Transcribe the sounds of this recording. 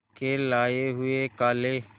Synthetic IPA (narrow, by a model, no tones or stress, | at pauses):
kelaːeɦʊekaːle